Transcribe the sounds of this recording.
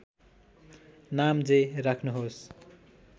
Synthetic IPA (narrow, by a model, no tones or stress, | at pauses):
namd͡zerakʰnuɦos